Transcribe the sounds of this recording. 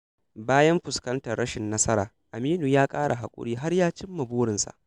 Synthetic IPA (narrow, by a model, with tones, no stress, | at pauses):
baː˦jɐ˦mɸʊ˨skɐ˦ntɐ˨rɽɐ˦ʃɪ˨nːɐ˦sɐ˦ɾaː˨ | ʔa˨miː˦nuː˨jaː˦kʼaː˦ɽa˨ɦa˨kʷʼʊ̰˦ɽiː˦ɦa˦rjaː˦t͡ʃɪ˦mːɐ˨buː˦ɽɪ˨nsa̰˨ʔ